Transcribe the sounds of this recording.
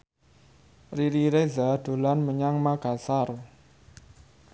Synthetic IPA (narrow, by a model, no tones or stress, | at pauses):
riɾiɾezad̪̥o̤lanməɲaŋmaɡ̥asar